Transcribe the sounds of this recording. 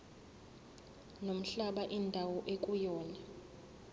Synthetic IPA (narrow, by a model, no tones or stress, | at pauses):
nom̩ɬaɓaʔindʱawɔʔekʼujɔːna